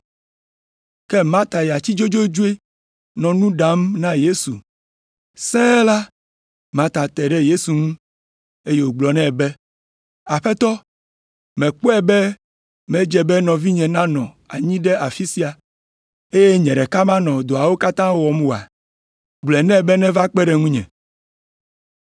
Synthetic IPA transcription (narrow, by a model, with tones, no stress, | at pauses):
kɛ˦mã˦t̪a˨ja˨t͡ɕi˦d͡ʒo˦d͡ʒo˦d͡ʒu˦e˦ | nɔ̃˨nũ˦ɖã˨˦mnã˦je˦su˨ | sɛ̃˦la˦ | mã˦t̪a˨t̪ɛ˨ɖɛ˦je˦su˨ŋũ˦ | e˦je˦wo˨ɡ͡blɔ˨nɛ̃˦bɛ˦ | a˨ɸɛ˦t̪ɔ˦ | mɛ̃˨k͡po˦ɛ˨bɛ˦ | mɛ̃˦d͡ʒɛ˨bɛ˦nɔ̃˨vi˦ɲɛ̃˨nã˦nɔ̃˨ | a˨ɲĩ˦ɖɛ˦ʔa˨fi˦si˦a˨ | e˦je˦ɲɛ̃˨ɖɛ˨ka˦mã˦nɔ̃˨d̪o˨a˨wo˦ka˦t̪ã˦wɔ˨m˦o˨a̰˨ | ɡ͡blɛ˨nɛ̃˦bɛ˦nɛ̃˦va˦k͡pɛ˦ɖɛ˨ŋũ˦ɲɛ̰̃˨